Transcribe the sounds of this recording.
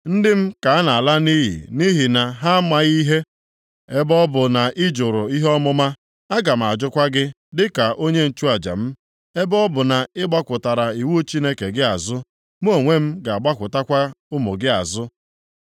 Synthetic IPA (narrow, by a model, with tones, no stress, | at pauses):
n̩˦dɪ˦m̩˦ka˨a˦na˨a˨la˦ni˦ɦḭ˨ni˦ɦi˨na˨ɦa˦ma˦ɣi˦ɦe˦ | e˦bɔ˦bʊ˨na˨ʔɪ˦d͡ʒʊ˨ɾʊ˨i˦ɦɔ˦mʊ˦ma˦ | a˦ɡa˨m̩˨a˨d͡ʒʊ˦kʷa˦ɡɪ˦ | dɪ˦ka˨ʔo˦ɲe˦n̩˨t͡ʃu˦a˨d͡ʒa̰˨m̩˦ | e˦bɔ˦bʊ˨na˨ɪ˦ɡ͡ba˦kʷʊ˨ta˨ɾa˨i˨wu˦t͡ʃi˦ne˦ke˨ɡɪ˦a˨zʊ˦ | m˦o˨ŋʷe˦m̩˦ɡa˨a˨ɡ͡ba˦kʷʊ˨ta˦kʷa˦ʊ˦mʊ˨ɡɪ˦a˨zʊ˦